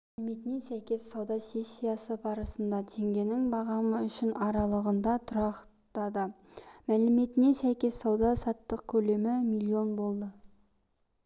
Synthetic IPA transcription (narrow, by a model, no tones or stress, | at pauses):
ælɪmet̪ɪnesæjkʲe̞sːɑwd̪ɑse̞sʲːijɑsəbɑɾəsənd̪ɑt̪ʰe̞ŋɡʲe̞nɪŋbɑʁɑməʏʃɪnɑɾɑlˠəʁənd̪ɑt̪ʰʊɾɑq | t̪ɑd̪əmælɪme̞t̪ɪnesæjkʲe̞sːɑwd̪ɑsɑt̪ːəq̚kʲʰɵle̞mɪmilʲˠːio̞nbo̞lˠd̪ə